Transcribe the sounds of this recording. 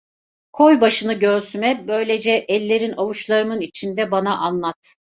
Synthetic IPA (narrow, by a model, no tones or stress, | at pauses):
kʰojbaʃɯnɯɟøɾsymɛbø̞jlʲe̞d͡ʒɛʔɛlʲːe̞ɾinavuʃlˠaɾɯmɯnit͡ʃʰind̪ɛbanaʔanlˠat̪